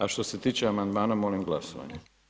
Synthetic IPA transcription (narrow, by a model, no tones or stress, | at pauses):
aʃt̪o̞set̪iːt͡ʃeamand̪maːnamo̞limɡlasoʋa̰ɲe